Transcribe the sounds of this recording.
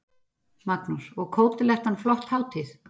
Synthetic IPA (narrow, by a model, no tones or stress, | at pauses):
maknusɔɣkʰoːwt̪ɪlɛxt̪hanflɔht̪hawt̪ʰɪθ